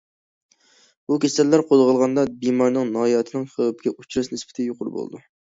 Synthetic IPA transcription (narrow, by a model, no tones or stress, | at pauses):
bukʲʰesælːæɾqʰozʁəlˠʁɑnd̪ɑbimɑɾnɨŋnɑːjɑt̪ʰɨnɨŋχəwɨpkʲɛut͡ʃʰɾɨsnɪspɪ̥t̪ʰɪjoqʰʊɾɨbo̰l̰ˠd̪u